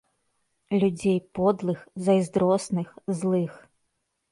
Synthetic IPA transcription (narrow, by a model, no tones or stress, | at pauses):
lʲud͡zʲejpɔd̪lˠɨxzɐjzd̪ɾɔsnɨxzlˠɨx